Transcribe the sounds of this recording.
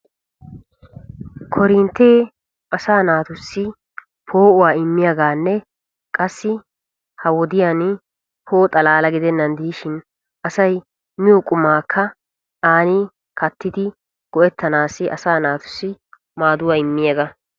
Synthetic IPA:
kʰɔɾɪnt̪ːeː | ʔɐsaːnaːt̪ʊsːɪ | pʰo̞ːʊwaːɪmːɪjaɡaːnːɛ | kʼɐsːɪ | hɐwɔd̪ɪjan | pʰo̞ːt̪ʼɐlaːlɐɡɪd̪ɛnːɐnd̪iːʃɪn | ʔɐsɐj | mɪjɔkʼʊmːaːkʰːɐ | aːni | kɐt̪ːɪd̪ɪ | ɡ̥ɔɛt̪ːɐnaːsːɪʔɐ̰saːnaːt̪ʊ̥sːɪ | maːd̪ʊwaːɪmːɪjɐɡɐ

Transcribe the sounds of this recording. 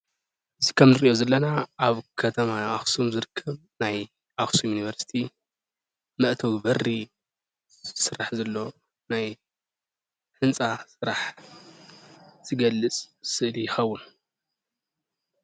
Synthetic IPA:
ʔɨzikʰɐmnɨɾiʔo̞zɐlːɐnaʔaβkʰɐt̪ʰɐmaaxsumzɨɾɨkʰːɐβ | naj | ʔaxsumjuniβɐɾsi̥t̪ʰi | mɐʔt̪ʰɐwibɐrːi | sɨɾaħzɐlːo̞ | naj | ħɨnt͡sʼasɨɾaħ | z̥ɨɡɐlːɨt͡sʼsɨʔlijɪxɐwːun

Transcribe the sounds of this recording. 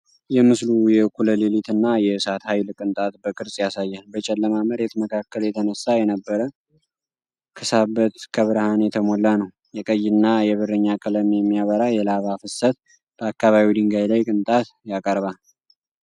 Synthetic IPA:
jɛmɨslujɛkʰuləlelit̪ɨnːajɛɨsat̪hajlkʼɨnt̪ʼat̪bəkʼɨɾsʼjasajːalbət͡ʃʼɛlːəmaməɾet̪məkʰakʰːəljɛt̪ʰənəsːajɛnəbːəɾə | kʰɨsabːət̪kʰəβɨɾhanjɛt̪ʰəmolːanəw | jɛkʼəjːɪnːajɛβɨrɨɲːakʼələmjɛmːijaβəɾajɛlaβafɨsːət̪ | b̥əakːaβaβid̪ɨŋɡajlajkʼɨnt̪ʼat̪jakʼəɾβal

